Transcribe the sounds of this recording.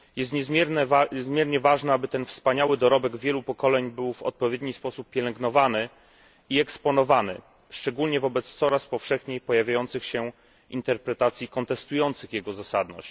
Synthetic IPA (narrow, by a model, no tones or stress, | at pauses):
jɛst̪ɲɛzʲɛɾnzmʲjɛɾɲɛvaʐnɛabɘt̪ɛnfspaɲawɘd̪ɔɾɔbɛɡvʲjɛlupɔkɔlɛɲbɘwvɔ̰t̪̚pɔvʲjɛd̪ɲispɔsupːʲjɛlɛŋɡnɔvanɘ | iɛkspɔnɔvanɘ̰ | ʂt͡ʂɛɡulɲɛvɔbɛt̪st̪sɔɾaspɔfʂɛxɲejpɔjavʲjajɔnt̪sɘxɕɛ | int̪ɛɾpɾɛt̪at̪sʲjikɔnt̪ɛst̪ujɔnt̪sɘxjɛɡɔzasad̪nɔ̰ɕt͡ɕ